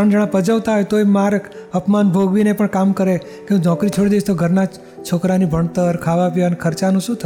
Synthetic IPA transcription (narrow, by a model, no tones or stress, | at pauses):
əɳd͡ʒəɽ̃ãpəd͡ʒəʋt̪aɦojt̪oemaɾkəpmanbʱoɡʋinepəɳkamkəɾe | kẽd͡ʒɔ̃kɾit͡ʃʰoɽid̪ed͡ʒt̪oɡʱəɾna | t͡ʃʰokɾanibʱəɳ̃t̪əɾkʰaʋaʋjanekʰəɾt͡ʃanũʃũt̪ʰə